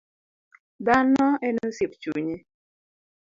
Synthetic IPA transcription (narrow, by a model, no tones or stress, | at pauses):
danɔenosipt͡ʃṵɲe